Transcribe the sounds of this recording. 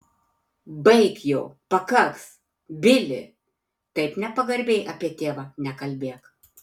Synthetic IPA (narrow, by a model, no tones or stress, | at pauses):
bɐɪkjoːpɐkɐks | bʲɪlʲɪ̰ | t̪ɐɪpnʲɛpɐɡɐɾʲbʲeːjʔɐpʲiɛt̪ʲeːʋɐnʲɛkɐlʲbʲeːk